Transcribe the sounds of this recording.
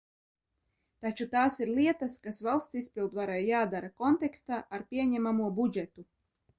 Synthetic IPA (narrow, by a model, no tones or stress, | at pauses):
t̪at͡ʃut̪aːsiɾliɛt̪askasvalˠst̪sispʲilˠd̪vaɾajːaːd̪aɾakɔnt̪ɛkst̪aːʔːɾpʲiɛɲæmamuɔbud͡ʒɛt̪u